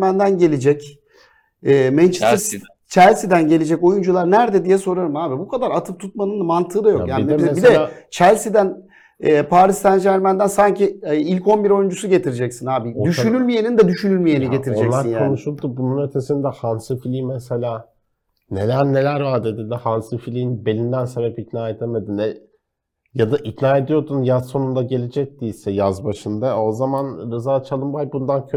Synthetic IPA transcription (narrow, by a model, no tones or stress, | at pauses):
mænd̪ænɟe̞lʲed͡ʒɛc | ɛːmɛnt͡ʃʰi̥t̪ | t͡ʃʰælʲsid̪ænɟe̞lʲed͡ʒɛco̞jund͡ʒulˠaɾnæɾd̪ɛd̪ijɛso̞ɾaɾɯmaːbibukʰad̪aɾat̪ʰɯp̚t̪ʰut̪̚manɯnmant̪ʰɯːd̪ajojaːnibibid̪ɛt͡ʃʰælʲsid̪æn | ɛːpʰaːɾist̪ʰænd͡ʒæɾmænd̪ænsaɲciilʲcʰo̞nbiɾo̞jund͡ʒusuɟe̞t̪ʰiɾid͡ʒɛcsinaːbiod̪yʃynylʲmijenind̪ɛd̪yʃynylʲmijeniɟe̞t̪ʰiɾiod͡ʒɛlˠsaɾinjkao̞nuʃulˠd̪ubununø̞t̪ʰe̞sind̪ɛhansɯfilʲiːimeselʲaː | ne̞lʲæɾne̞lʲæɾvaːd̪ed̪ind̪ɛhansɯfilʲijinbe̞lʲind̪ænse̞bɛpit̪naːe̞d̪eme̞d̪inɛ | jad̪aʔit̪naːe̞d̪ijo̞ɾd̪unjazso̞nund̪aɟe̞lʲed͡ʒɛc̚t̪iisɛjazbaʃɯnd̪ao̞zamanɾɯzaːt͡ʃʰalˠɯmbajbund̪ancʰø